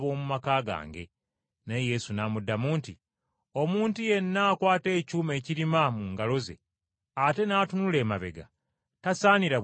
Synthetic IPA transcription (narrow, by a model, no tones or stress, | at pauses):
βo̞ːmumakaːɡa̰ːŋɡe̞̰ | neje̞sunamudːamuːnti | o̞muːntuje̞nːaːkwaːte̞ːcuːme̞ːciɾimamuːŋɡalo̞zḛ | ate̞naːtunule̞ːmaβe̞ɡa̰ | tasaːniɾa